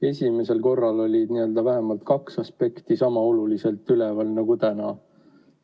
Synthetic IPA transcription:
e̞sʲimese̞lko̞rːɑlo̞lʲid̪̥niø̞ld̪̥ɑvæɦemɑlt̪kɑksɑspe̞kt̪isɑmɑo̞lulise̞lt̪ːylevɑlnɑɡut̪ænɑ

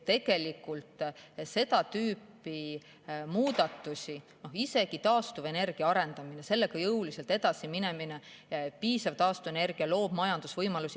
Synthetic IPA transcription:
t̪e̞ɡ̥e̞likːˑult̪se̞d̪̥ɑt̪yːpːˑ | i | muːd̪̥ɑt̪ːˑusʲi | no̞hise̞ɡ̥it̪ɑːst̪uve̞ne̞rɡ̥iɑɑɾe̞nd̪̥ɑmine̞se̞lːe̞ɡ̥ɑjɤwliselt̪e̞d̪ɑsimine̞mine | piːsɑvt̪ɑːst̪uvene̞rɡ̥iɑlo̞ːb̥mɑjɑnd̪̥usvɤjmɑlusi

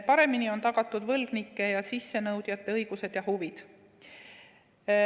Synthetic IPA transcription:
pɑɾe̞minio̞nt̪ɑɡ̥ɑt̪ːˑud̪vɤlɡ̥nikːˑe̞jɑsisːe̞nɤwd̪̥jɑt̪ːˑe̞ɤjɡ̥use̞d̪̥jɑhuvid̪̥

